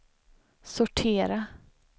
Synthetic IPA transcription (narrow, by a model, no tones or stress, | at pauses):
sʊʈʰeːɾa